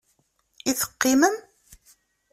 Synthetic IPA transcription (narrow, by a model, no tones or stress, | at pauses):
iθə̥qːiməm